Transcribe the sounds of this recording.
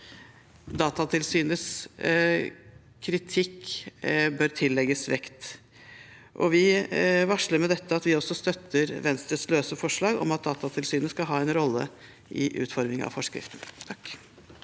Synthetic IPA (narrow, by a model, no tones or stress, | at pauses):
d̪ɑːt̪ɑt̪ʰɪlsyːnəs | kʰɾɪt̪ʰɪkː | bøːɾt̪ʰɪlːɛɡəsʋɛkt̪ | ʔɔ̰ʋɪʋɑʂləɾmɛd̪ɛt̪ːəɑt̪ʋɪɔsːɔst̪œt̪ʰːəɾʋɛnst̪ɾəsløːsəfɔʂɭɑːɡɔ̰mɑt̪̚d̪ɑːt̪ɑt̪ʰɪlsyːnəskɑlɦɑːɛnɾɔlːə̰ | ʔɪ̰ʔʉ̰ːt̪fɔɾmɪŋɑ̰ʋfɔʂkɾɪ̰ft̪n̩t̪ʰɑk